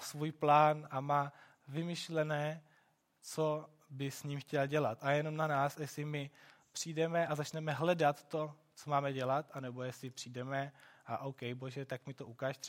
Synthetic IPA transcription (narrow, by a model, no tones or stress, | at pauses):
svuːjplaːnʔamaː | vɪmɪʃlɛnɛː | t͡so | bɪsɲiːmxcɛlɟɛlat̪ʔajɛno̞mnanaːsjɛsɪmɪ | pr̝̥iːdɛmɛʔazat͡ʃnɛmɛɦlɛdat̪ːo̞ | t͡so̞maːmɛɟɛlat̪ʔanɛbo̞jɛsɪpr̥iːdɛmɛʔaʔowkɛjbo̞ʒɛt̪akmɪt̪oʔukaːʃt̪r